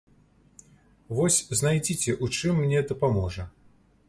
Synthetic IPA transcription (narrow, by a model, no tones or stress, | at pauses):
vɔsʲznajd͡zʲit͡sʲɛʔut͡ʂɨmːnʲɛd̪ɐpamɔʐɐ